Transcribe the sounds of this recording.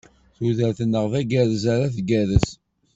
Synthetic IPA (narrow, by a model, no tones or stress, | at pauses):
θuðəɾθənːəʁvæɡæðəz̬aɾaθɡæðəs